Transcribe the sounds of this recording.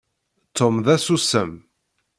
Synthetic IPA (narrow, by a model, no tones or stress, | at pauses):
t̪ʰːomðæsusəm